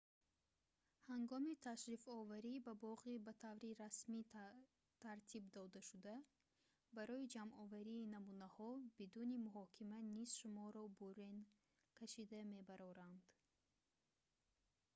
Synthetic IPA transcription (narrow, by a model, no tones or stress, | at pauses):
haŋɡɔmit̪ʰaʃɾifɔvaɾibabɔʁibat̪ʰavɾiɾasmi | t̪ʰaɾt̪ʰibd̪ɔd̪aʃud̪a | baɾɔid͡ʒamɔvaɾiːnamunahɔbid̪unimuɦɔkʰimaniz̥ʃumɔɾɔbuɾen | kʰaʃid̪ame̞baɾɔɾand̪̥